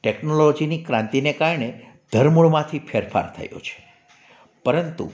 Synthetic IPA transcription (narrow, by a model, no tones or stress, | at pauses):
ʈeknolod͡ʒinikɾãnt̪inekaɾɳe | d̪ʱəɾmuɭmãt̪ʰipʰeɾfa̰ɾt̪ʰə̰jo̰t͡ʃʰe̥ | pəɾənt̪ṵ